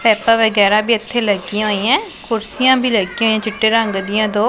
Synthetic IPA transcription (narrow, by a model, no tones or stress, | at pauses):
pɛːpãːʋəɡɛːɾãːbʱiːət̪ʰːeːləɡiãːɦoːijãːkʰʊɾsɪjãːbʱiːləɡĩːoːijãːt͡ʃɪʈːeːɾəŋɡd̪ɪjãːd̪oː